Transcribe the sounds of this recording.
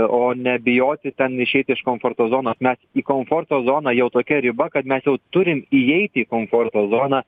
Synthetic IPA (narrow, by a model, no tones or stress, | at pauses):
oːnʲɛbʲɪjoːt̪ʲɪt̪ʲɛnɪʃʲɛɪt̪ʲɪɪʃkoːmfoːɾt̪oːzoːnoːsmʲɛsiːkoːmfoːrt̪oːzoːnɑjɛʊt̪oːkʲɛɾʲɪbɐkɐt̪mʲɛsjɛʊt̪ʊɾʲɪmijɛɪt̪ʲiːkoːmfoːrt̪oːzoːnɑ